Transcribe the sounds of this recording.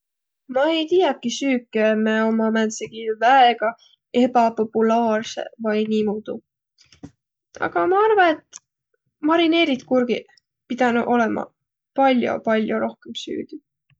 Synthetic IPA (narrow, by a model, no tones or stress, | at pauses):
mɑejt̪ijɑkːisyːkːˑemeo̞mɑmænseɡ̥ivæeɡ̥ɑ | e̞bɑpo̞pːulɑːrse̞̰vɑjniːmuːd̪̥u | ɑ̰ɡ̥ɑmɑɑrvɑne̞t̪ː | mɑɾine̞ːɾit̪kurɡ̥i | pid̪̥ɑnuʔo̞lemʔɑ̰ | pɑlʲjo̰pɑlʲjoɾo̞hkemsy̰ːd̪̥i